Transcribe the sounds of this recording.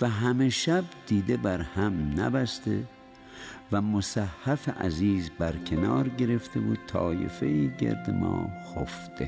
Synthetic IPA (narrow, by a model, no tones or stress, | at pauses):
væɦæmeʃæbd̪iːd̪ebæɾhæmnæ̰bæst̪ḛ | væmosæhːæfeʔæ̰ziːzbæɾkʲʰe̞nɒːɾɟe̞ɾe̞ft̪ebuːt̪ʰɒːjḛfeiːɟḛɾd̪emɒ̰ːxofd̪̥e